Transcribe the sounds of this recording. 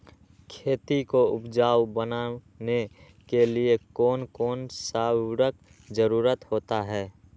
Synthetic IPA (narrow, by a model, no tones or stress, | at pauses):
kʰeːt̪ikoʊpd͡ʒaːwbəna | ne | keliekɔːnkɔːnsaːɾək | d͡ʒəɾuːɾət̪hoːt̪aɦɛː